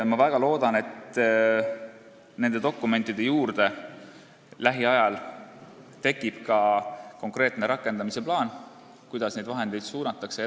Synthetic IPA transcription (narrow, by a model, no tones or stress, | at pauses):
mɑvæɡ̥ɑlo̞ːd̪̥ɑne̞t̪ | ne̞nd̪e̞d̪̥o̞kːˑume̞nt̪ːˑid̪̥e̞juːrd̪̥e̞ | læɦiɑjɑl | t̪e̞kːˑib̥kɑko̞ŋkre̞ːt̪ne̞ɾɑkːˑe̞nd̪ɑmise̞plɑːn | kujd̪̥ɑsne̞jd̪vɑɦe̞nd̪̥e̞jd̪̥suːnɑt̪ːˑɑkse